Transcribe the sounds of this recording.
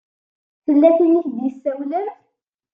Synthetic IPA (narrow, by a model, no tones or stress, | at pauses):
θəlːæθiniçd̪jəsːæwləɾ